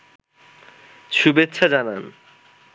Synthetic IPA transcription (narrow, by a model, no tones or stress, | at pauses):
ʃubet̪ːɕʰad͡ʑanan